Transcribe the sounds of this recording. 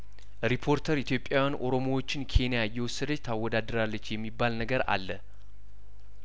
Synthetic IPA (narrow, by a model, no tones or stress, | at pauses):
ɾipʰo̞ɾt̪ʰəɾit̪ʰjo̞pʼjajanʔo̞ɾo̞mowot͡ʃːɪnkʰe̞nijajːɛwɔsːəd̪ət͡ʃːt̪ʰawːɔd̪ad̪ːəɾalːət͡ʃːjɛmːibːalnəɡəɾa̰lːə